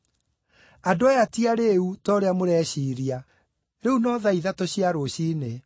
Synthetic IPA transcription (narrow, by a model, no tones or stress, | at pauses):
adoajatiaɾeutɔɾeamoɾɛɕiːɾia | ɾeunɔðaiðatoɕiaɾoɕiːne